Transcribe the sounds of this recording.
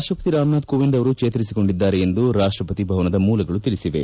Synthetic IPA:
ʂʈɾɐpɐ̥t̪iɾaːmnaːd̪̚koːʋind̪ɐʋɐɾut͡ʃeːt̪ɐɾisiko̞ɳɖid̪ːaːɾeend̪uɾaːʂʈɾɐpɐt̪ibʱɐʋɐnɐd̪ɐmuːlɐɡɐɭut̪ilisiʋe̞̰

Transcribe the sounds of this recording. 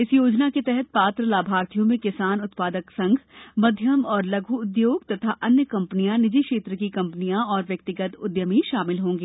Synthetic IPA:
ɪsjoːd͡ʒnaket̪ɛɦɛt̪̚paːt̪ɾəlaːbʱaːɾt̪ʰijõmẽkɪsaːnʊt̪paːd̪əksɐ̃ŋɡʱmɐd̪ʱjəmɔːɾlɐɡʱuʊd̪joːɡt̪ɐt̪ʰaʔɐnjəkɐ̃mpnijãnɪd͡ʒikʃeːt̪ɾəkikɐ̃mpənijãɔːɾʋjɐk̚t̪ɪɡət̪ʊd̪jəmiʃaːmɪlɦõːŋɡeː

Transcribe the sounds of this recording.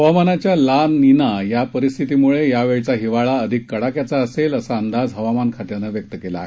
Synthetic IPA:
ɦəʋamanat͡ɕjalaninajapəɾist̪ʰit̪imuɭejaʋeɭt͡saɦiʋaɭaəd̪ʱikːəɽakjat͡saəseləsaənd̪ad͡zɦəʋamankʰaʈ̪janəʋjək̚t̪əkela̰

